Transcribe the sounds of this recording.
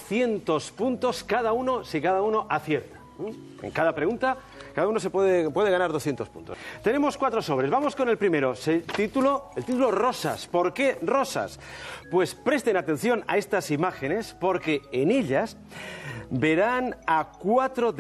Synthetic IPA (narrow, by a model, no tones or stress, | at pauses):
θje̞nt̪o̞spunt̪o̞skaðauno̞sikaðauno̞ʔaθje̞ɾt̪ḁ | n | ḛŋkaðapɾe̞ɣunt̪a | kaðauno̞sepweðepwe̞ð̞eanaɾð̞o̞sθje̞nt̪ospṵnt̪ost̪e̞ne̞mo̞skwat̪ɾo̞so̞βɾe̞zβamo̞sko̞ne̞lpɾime̞ɾoset̪it̪uloelt̪it̪ulo̞ro̞sa̰spo̞ɾke̞ro̞sa̰spwe̞spɾe̞st̪e̞nat̪e̞n̟θjo̞na̰e̞st̪asimaxe̞ne̞spo̞ɾke̞ːne̞ʎas | be̞ɾanakwat̪ɾo̞ð